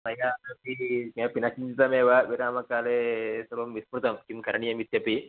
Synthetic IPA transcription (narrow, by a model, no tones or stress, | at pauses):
mɐjaɐpikiapinakind͡ʒit̪ɐmeːʋaʋiɾaːmɐkaːlesɐbɐmːispɾut̪ɐmkimkɐɾɐɳijɐmit̪jɐpi